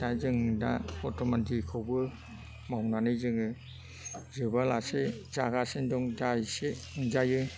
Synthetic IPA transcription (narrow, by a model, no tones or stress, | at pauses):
sajzɯŋda̰ɔtʰɔmantʰikʰɯwbɯ | mawnanɯjzɯŋɯ | zɯbalasezaɡasendɔŋdajseɯŋd͡ʒajɯ